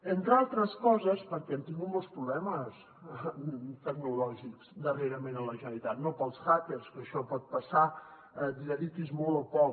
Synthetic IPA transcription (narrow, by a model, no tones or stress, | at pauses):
ent̪ɾalˠt̪ɾəskɔzəspəɾkɛənt̪iŋɡumolˠspɾuβlɛməs | t̪əɡnulɔʒikzd̪əreɾəmenələʒənəlit̪at̪nopəlˠsxakeɾskəʃɔpɔt̪̚pəsa | d̪iðəðikezmolˠəpɔk